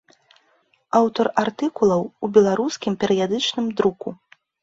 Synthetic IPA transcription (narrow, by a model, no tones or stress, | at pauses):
awt̪ɔrart̪ɨkulˠɐwubʲɛlˠaɾuskʲimpʲɛɾɨjad̪ɨt͡ʂnɨmd̪ɾuku